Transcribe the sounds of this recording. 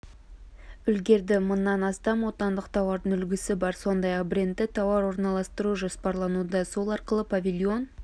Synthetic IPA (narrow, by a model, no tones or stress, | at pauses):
ʏlɡʲe̞ɾd̪ɪmənːɑnɑst̪ɑmwo̞t̪ɑnd̪əqt̪ʰɑwɑɾd̪əʏlɡʲɪsɪbɑɾso̞nd̪ɑjɑqbɾʲe̞nt̪ːɪt̪ʰɑwɑɾwo̞ɾnɑlˠɑst̪əɾuʒo̞spɑɾlˠɑnud̪ɑso̞lˠɑɾqəlˠəpʰavʲilʲio̞n